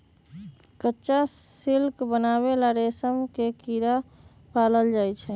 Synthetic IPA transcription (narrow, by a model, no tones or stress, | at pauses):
kətːʃasilkbənabelaɾesəmkekiɾa | paləld͡ʒaːjt͡ʃʰɛ